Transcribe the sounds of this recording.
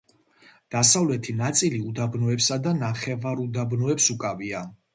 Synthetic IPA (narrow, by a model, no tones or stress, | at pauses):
d̪̥asavlɛt̪ʰinat̪sʼiliud̪abnɔɛpsad̪anaχɛvaɾud̪abnɔɛpsukʼavia